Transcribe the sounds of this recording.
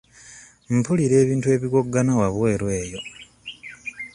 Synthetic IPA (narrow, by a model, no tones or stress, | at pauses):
m̩puliɾe̞ːβiːntue̞ːβiɡo̞ɡːanawaβwe̞ːɾweːjo̞